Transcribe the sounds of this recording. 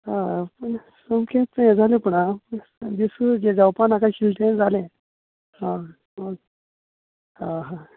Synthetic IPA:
hãpəɳ | səmkʰet̪t͡səẽd͡zʱalẽpəɳapəɳ | d̪isəd͡ʑed͡zawpanakaɕilʈʰẽd͡zʱalẽ | ɦã | mə | hãɦã

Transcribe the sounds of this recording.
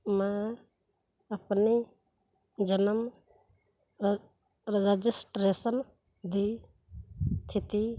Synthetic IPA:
mã | əpni | d͡ʒənəm | ɾəd͡ʒəd͡ʒisʈɾeːsən | d̪i | t̪ʰit̪i

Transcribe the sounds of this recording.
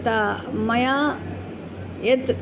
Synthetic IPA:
t̪amɐja | ed̪k

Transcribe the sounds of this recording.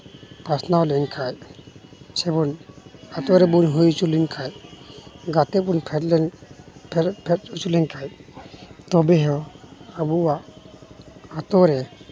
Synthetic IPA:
pasnawlɛnkʰaj | sɛbɔnat̪ɔɾɛbunɦujt͡ʃulinkʰaj | ɡat̪ɛpunpʰɛ | pʰpʰɛt̚ut͡ʃulɛnkʰaj | t̪ɔbɛɦɔabuwa | t̪ɔɾɛ

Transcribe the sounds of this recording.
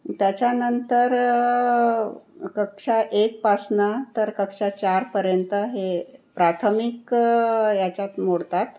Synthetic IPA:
t̪jat͡ɕjanənt̪əɾ | kəkʂaʔek̚pasnat̪əɾkəkʂat͡ɕaɾpəɾjənt̪əɦepɾat̪ʰəmik | jat͡ɕat̪moɽt̪at̪

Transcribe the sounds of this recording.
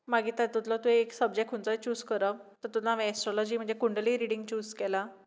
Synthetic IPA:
maɡiːt̪at̪ut̪lɔt̪ueːksəb̚d͡ʑek̚ʈkʰunt͡sət͡ɕuːskəɾət̪əɾt̪ut̪aʋeɛsʈɾɔlɔd͡ʑiːm̤əɳnd͡zekuɳɖliːɾiɽiŋɡt͡ɕuːskɛla

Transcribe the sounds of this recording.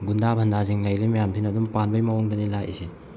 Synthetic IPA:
ɡundabʰʱɐndaziŋlajɾimajampʰinɐdumpanbɐjmawɔŋdɐnilajʔḭse

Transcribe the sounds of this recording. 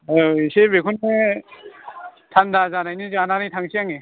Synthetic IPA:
ajoisebekʰunɯ | t̪ʰandazanajnizɯananijtʰaŋsʰiaŋe

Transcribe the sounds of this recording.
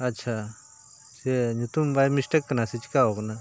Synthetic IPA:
ɐtːʃʰa | seɲut̪umbaːjmisʈɐkːɐnasit͡ʃi̥kaokna

